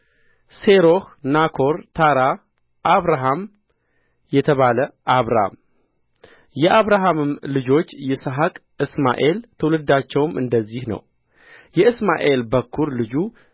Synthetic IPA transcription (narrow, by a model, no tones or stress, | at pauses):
se̞ɾo̞hnakʰo̞ɾt̪ʰaɾa | ʔaβɾaɦam | jɛt̪ʰəβaləʔaβɾaa̰m | jɛʔaβɾaɦamɨmlɨd͡ʒo̞t͡ʃːjɛsəɦakʼ | ɨsma̰ʔe̞lt̪ʰɨwlɨd̪at͡ʃːɛwmʔɨ̰nd̪əzːihnə̰w | jɛɨsma̰ʔe̞lbəkʰːuɾlɨd͡ʒu